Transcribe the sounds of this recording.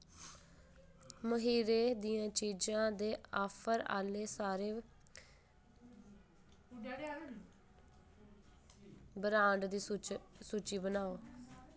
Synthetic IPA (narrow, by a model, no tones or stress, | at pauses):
məɦiːɾeːd̪iːãːt͡ʃiːd͡ʒãːd̪eːaːpʰəɾa̰ːleːsaːɾeː | bəɾãːɳɖd̪iːsuːt͡ʃiːbənaːoː